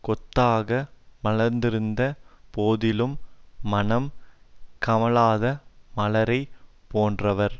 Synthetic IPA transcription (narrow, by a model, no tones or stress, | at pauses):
kɔt̪ːaːɣɐmɐlɐɾnd̪ɪɾɯnd̪ɐpoːðɪlɯmːɐnɐm | kɐmɐlaːðɐmɐlɐɾɐɪpoːndrɐʋɐɾ